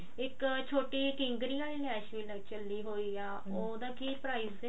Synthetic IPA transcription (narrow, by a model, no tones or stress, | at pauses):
ɪkt͡ʃʰoːʈiːkɪ̃ŋɡɾiːaːliːlɛːʃʋiːlət͡ʃəlːiːɦoːiːaː | oːd̪ãːkiːpɾaːiːz